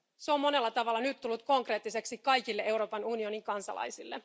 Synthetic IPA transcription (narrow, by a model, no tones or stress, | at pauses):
seo̞mmo̞ne̞lːɑt̪ɑʋɑlːɑnyt̪t̪ːulːut̪̚ko̞ŋkre̞ːt̪ːise̞ksikɑjkilːeʔe̞wɾo̞ːpɑnunio̞niŋkɑnsɑ̰lʔɑ̰jsilːe̞̰